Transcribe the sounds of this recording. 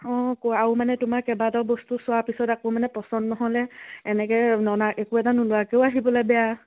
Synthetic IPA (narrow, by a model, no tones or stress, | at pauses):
ɔ̃koaʊmanɛtʊmaɹkɛbadɔɹbɔstusʊwapisɔtakomanɛpɹɔsɔndnɔɦɔlɛːnɛkɛnɔnaɛkuɛtanʊlʊakeʊaɦibɔlabɛja